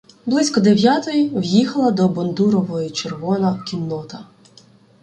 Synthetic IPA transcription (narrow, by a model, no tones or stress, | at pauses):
blˠɪsʲkɔd̪ewʲjat̪ɔjiwjixɐlˠɐd̪ɔbɔnd̪uɾɔʋɔjit͡ʃerʋɔnɐkʲinːɔt̪ɐ